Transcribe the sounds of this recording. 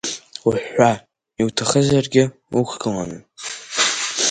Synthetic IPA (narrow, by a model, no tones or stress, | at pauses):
uħʷa | iwtʰaχəzarɡʲɪ | ukʷʰɡɨla̰nɨ